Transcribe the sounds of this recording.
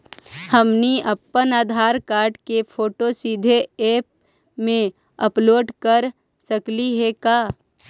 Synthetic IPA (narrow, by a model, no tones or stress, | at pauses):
həmniʔəpːənaːd̪ʱaːɾkaːɾɖkepʰoːʈosid̪ʱeeːp̚ | mẽ | əploːɖkəɾ | səkliɦɛkaː